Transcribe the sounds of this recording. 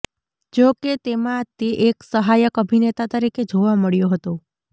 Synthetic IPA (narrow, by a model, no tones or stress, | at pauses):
d͡ʒoket̪emãt̪eʔeksəɦajəkəbʱinet̪at̪əɾiked͡ʒoʋaməɭjoɦət̪o